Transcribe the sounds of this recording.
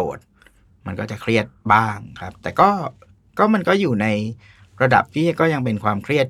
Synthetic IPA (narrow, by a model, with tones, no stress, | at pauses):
o̰ː˨˩t̪̚ | ma˧nkɔː˥˩t͡ɕa˨˩kʰɾi˥˩ət̪̚baː˥˩ŋkʰɾa˦˥p̚t̪ɛː˨˩kɔː˥˩ | kɔː˥˩ma˧nkɔː˥˩juː˨˩na˧j | ɾa˧da̰˨˩p̚t̪ʰiː˥˩kɔː˥˩ja˧ŋpe˧nkʰwaː˧mkʰɾi˥˩ət̪̚